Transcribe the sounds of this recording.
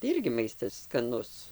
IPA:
tɐɪ ˈɪrʲɡʲɪ ˈmɐɪstɐs skɐˈnʊs

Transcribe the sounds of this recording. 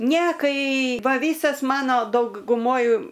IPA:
nʲɛ ˈkɐɪ ˈʋɐ ˈʋʲiːsɐs ˈmɑːnoː dɐʊɡʊˈmoːj

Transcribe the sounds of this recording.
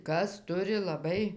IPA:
ˈkɐs ˈtʊrʲɪ lˠɐˈbɐɪ

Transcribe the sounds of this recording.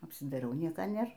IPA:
ɐpʲsʲɪdɐɪˈrʲɛʊ ˈnʲiɛkɐ ˈnʲeːr

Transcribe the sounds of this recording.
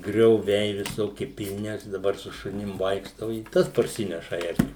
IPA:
ɡrʲoːˈʋʲɛɪ ʋʲɪˈsoːkʲɪ pʲɪlʲˈnʲɪ ˈɐʃ dɐˈbɐr sʊ ʃʊˈnʲɪm ˈʋɐɪkʃtɐʊ ɪ ˈtɐs pɐrʲˈsʲɪnʲɛʃɐ ˈɛrʲkʲuː

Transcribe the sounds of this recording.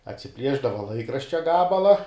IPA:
ɐtʲsʲɪˈpʲlʲiɛʒdɐʋɐ ˈlˠɐɪkrɐʃʲt͡ʃʲɛ ˈɡɑːbɐlˠɐ

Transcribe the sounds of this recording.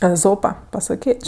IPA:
ɛˈzoːpɐ pɐsɐˈkʲeːt͡ʃʲ

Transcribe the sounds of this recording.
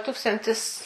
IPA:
ˈtuːkstɐnʲtʲɪs

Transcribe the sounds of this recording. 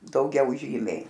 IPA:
dɐʊˈɡʲɛʊ ˈʒʲiːmʲɛɪ

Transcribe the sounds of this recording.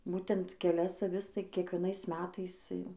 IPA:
ˈbuːtʲɛnt kʲɛˈlʲɛs ɐˈʋʲɪs tɐɪ kʲiɛkʋʲiɛˈnɐɪs ˈmʲæːtɐɪs ˈjɛʊ

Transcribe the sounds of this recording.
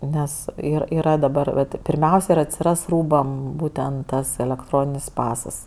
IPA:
ˈnʲɛs ˈɪr iːˈrɐ dɐˈbɐr ʋɐt pʲɪrʲˈmʲɛʊsʲɛ ɪr ɐtʲsʲɪˈrɐs ˈruːbɐm ˈbuːtʲɛnt ˈtɐs ɛlʲɛkˈtroːnʲɪnʲɪs ˈpɑːsɐs

